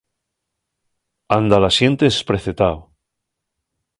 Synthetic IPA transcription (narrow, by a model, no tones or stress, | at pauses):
and̪alasjent̪espɾeθet̪aw